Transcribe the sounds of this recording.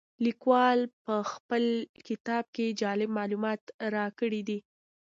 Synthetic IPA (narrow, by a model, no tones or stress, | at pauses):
likwɑlpəxpəlkɪt̪ɑb̚ked͡ʒɑlɪbmɑlumɑt̪ɾɑkəɽid̪i